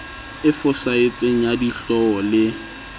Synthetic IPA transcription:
ɪfʊsaet͡sʼeŋ̩jadiɬɔɔlɪ

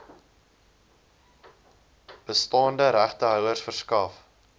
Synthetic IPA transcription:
b̥əstɑːndəɾæχtəɦœwərsfərskɐf

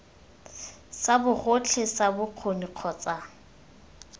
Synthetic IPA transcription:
sabʊχot͡ɬʰesabʊq͡χʰoniq͡χʰɔːt͡sa

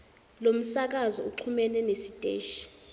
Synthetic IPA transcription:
lom̩sak̬azɔuǃʰumɛlɛnesid̥ʱʼeːʃi̥

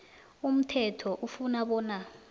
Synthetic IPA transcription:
um̩tʰɛtʰɔʔufunaɓɔːna

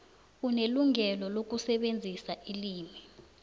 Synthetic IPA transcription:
uneluŋɛlɔlok̬usɛɓend͡zʱisaʔiliːmi

